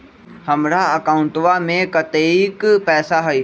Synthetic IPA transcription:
həmɾaəkaːʊ̃ɳʈʋamẽkət̪eikpɛːsaɦɐi

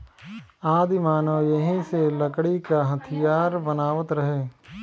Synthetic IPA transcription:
aːd̪imaːnojɐɦĩselɐkɽikaɦɐt̪ʰijaːɾbɐnaːʋət̪ɾɐɦeː

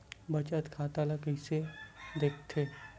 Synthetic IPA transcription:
bɐt͡ʃət̪kʰaːt̪aːlakəised̪eːkʰt̪ʰeː

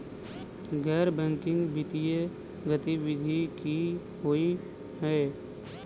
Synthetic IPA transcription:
ɡɛːɾbɛ̃ːŋkɪ̃ŋɡbɪt̪ije | ɡət̪iwɪd̪ʱiki | ɦoi | hɛː

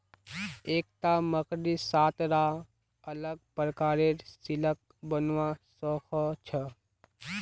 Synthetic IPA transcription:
eːk̚t̪aməkɾisaːt̪ɾa | ələɡ̚pɾəkaːɾeɾsilək̚bənʋasɔkʰɔt͡ʃʰə

